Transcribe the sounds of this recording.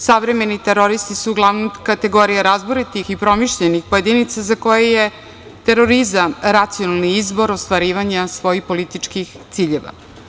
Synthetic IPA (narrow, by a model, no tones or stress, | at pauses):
saʋɾeme̞nit̪eɾo̞ɾist̪isuːɡlˠaʋnomkat̪e̞ɡo̞ɾijaɾazboɾet̪ixipɾo̞miʃʎenixpoje̞d̪init̪sazako̞jeje | t̪e̞ɾo̞ɾizamɾat̪sijo̞nalˠniizbo̞ɾost̪ʋaɾiːʋaɲasʋo̞jixpo̞lit̪it͡ʃkixtt̪siːʎeʋa̰